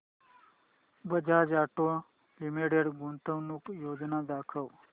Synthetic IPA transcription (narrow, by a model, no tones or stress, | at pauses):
bəd͡ʒʱad͡ʒaːʈõ | limeɽeɽɡunt̪əʋnukjoːd͡ʒnad̪aːkʰəʋ